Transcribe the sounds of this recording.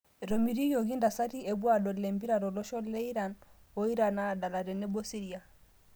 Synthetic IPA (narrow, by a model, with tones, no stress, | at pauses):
ɾɔ˨mi˨ɾi˦jɔ˨ɣi˦nda˨sa˦ɾi˦ɛ˨bwa˨ɗɔ˨lɛ˨mbi˦ɾa˨ɾɔ˨lɔ˦ʃɔ˦lɛ˦i˦ɾa˨n | ɔ˦i˦ɾa˨na˦˨ɗa˨la˨ɾɛ˨nɛ˦bɔ˦si˦ɾi˨a˨